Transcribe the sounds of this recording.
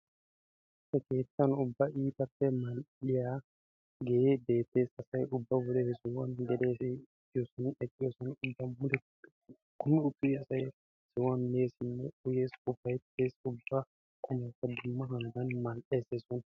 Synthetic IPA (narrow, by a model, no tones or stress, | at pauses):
sɛke̞ːt̪ːɐnʊbːɐʔiːp̪ɐpːɛmɐlᶑɪja | ɡejebe̞ːt̪ːe̞ːsɐsɐjʊbːɐwʊlɛsʊwɐnɡ̪ɛd̪eːsɪtʼːɪjɔsɔnɛtʼːɪjɔsɔnʊbːɐmʊd̪ɛ | kʰʼʊmːɪʊt̪ːʊjɛɐsɐj | sɪwɐnme̞ːsɪnːɛʊjeːsʊbɐjt̪ːeːsʊbːɐ | kʼʊmɐkːɐd̪ʊmːɐɦɐnɡ̪ɐnmɐlʔeːseːsɔn